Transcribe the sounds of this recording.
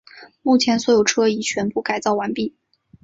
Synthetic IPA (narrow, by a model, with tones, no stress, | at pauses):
mu˥˩t͡ɕʰjɛ˧˥nswɔ˧˥jo˨˩ʊʈ͡ʂʰɤ˥i˨˩t͡ɕʰɥɛ˧˥npu˥˩ka˨˩ɪt͡sɑ˥˩ʊwa˧˥npi˥˩